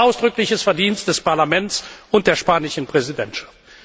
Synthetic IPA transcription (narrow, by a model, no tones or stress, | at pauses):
ʔaʊsd̥ʁʏklɪçəsfɛɐdiːnstd̥ɛspʰaɐlamɛntt͡sʊnt̚d̥eːɐʃpaːnɪʃn̩pʁ̥ɛzidɛntʃḁft